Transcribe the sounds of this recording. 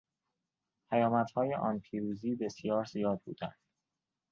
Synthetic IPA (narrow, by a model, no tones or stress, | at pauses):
pʰæjɒːmæt̪hɒːjeʔɒːnpʰiːɾuːziːbe̞sjɒːɾzijɒːd̪̚bṵːd̪æ̰nd̪̥